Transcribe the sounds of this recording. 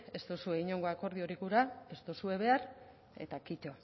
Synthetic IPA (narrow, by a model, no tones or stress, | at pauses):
e̞st̪osue̞iɲo̞ŋɡo̞ako̞ɾð̞io̞ɾikuɾae̞st̪osue̞β̞e̞aɾ | e̞̰t̪akit̪o̞